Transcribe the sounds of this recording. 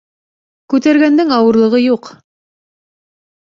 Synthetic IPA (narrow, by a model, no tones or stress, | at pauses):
kʉt̪æɾɡænd̪ɘŋɑwɤ̆ɾlˠɤ̆ʁɤjuq